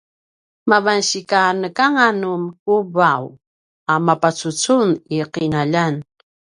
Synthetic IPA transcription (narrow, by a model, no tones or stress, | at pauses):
mavanɕikanəkaŋanumkubaw | amapat͡sut͡suniqinaʎan